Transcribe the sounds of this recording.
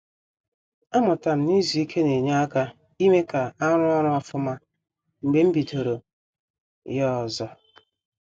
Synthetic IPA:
a˦mʊ˨ta˨m̩˦ni˦zi˨i˦kʰe˦ne˨ɲa˦a˦ka˦ | i˦me˦ka˨a˦ɾʊ˦ɔ˦ɾʊ˦a˦fʊ˦ma˦ | ŋ͡m̩˨ɡ͡be˨˦m̩˦bi˨tʰo˨ɾo˨ | jɔ˦ɔ˨zɔ˦

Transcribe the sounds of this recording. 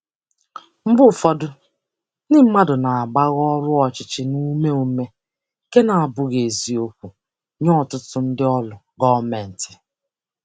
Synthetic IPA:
m̩˦bʊ˦˨fɔ˦dʊ˦ | nɪ˦m̩˦ma˦dʊ˨na˨a˨ɡ͡ba˦ɣɔ˦ɾʊ˦ɔ˨t͡ʃɪ˨t͡ʃɪ˦nu˦me˦u˦me˦ | ke˦na˨a˨bʊ˨ɣe˨zi˨o˦kʷu˨ | ɲɔ˦˨tʊ˦tʊ˨n̩˦dɪ˦ɔ˦lʊ˨ | ɡɔ˦me˨n̩˨tɪ̥˨

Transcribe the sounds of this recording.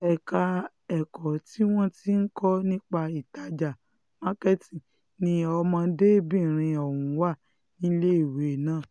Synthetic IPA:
ɛ˨ka˧ | ɛ˨kɔ˨ti˦w̃ɔ̃˦ti˦n̩˦kɔ˦nĩ˦k͡pa˧i˨ta˨˦d͡ʒa˨ | ma˦kɛ˦tĩ˨ | nĩ˨˧˦ɔ˧mã˧de˦bĩ˦˨ɾ̃ĩ˧ɔ˨wũ˨˦wa˦˨ | nĩ˦le˦i˦˨we˨nãː˦˨

